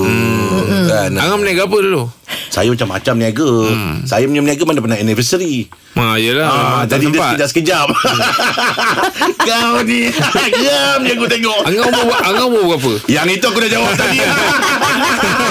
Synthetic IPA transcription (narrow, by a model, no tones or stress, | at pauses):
kanaŋamniaɡapədulosa̰jamat͡ʃamːa̰t͡ʃamniaɡəsa̰jamaɲamniaɡəmadapənaɛnivəsɾi | majəlaad͡ʒadidəsəd͡ʒaʔsə̥kəd͡ʒap̚ | kawniɡiamjaɡut̪eŋɔʔaŋaaaŋabobəɡap̬əjaŋit̪uak̬udad͡ʒawap̚t̪adia